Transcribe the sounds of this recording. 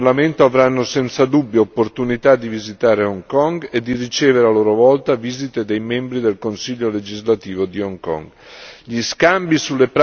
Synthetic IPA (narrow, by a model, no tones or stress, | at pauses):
lament̪oavɾanːosɛnt̪sad̪ubːjoopːoɾt̪unit̪ad̪ːivizit̪aːɾeɔŋkɔŋɡed̪irit͡ʃeːveɾaloːɾovɔlt̪avizit̪ed̪ejmɛmbɾid̪elkonsiʎːoled͡ʒizlat̪iːvod̪iɔŋkɔ̰ŋɡ | ʎiskambisulːepɾ